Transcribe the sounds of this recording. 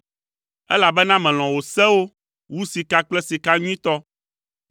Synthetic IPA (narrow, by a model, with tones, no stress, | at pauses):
ɛ̰˦la˨bɛ˦nã˦mɛ̃˨l̃ɔ̃˨wo˨sɛ˦wo˦ | wu˦si˨ka˦k͡plɛ˦si˨ka˦ɲũ˦ĩ˦t̪ɔ˦